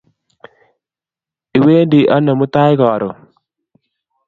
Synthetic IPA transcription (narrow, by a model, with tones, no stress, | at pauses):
i˨we˦ndi˨ʔa˦nːa˨mu˦t̪a˦jɡɔ˨ɾo˨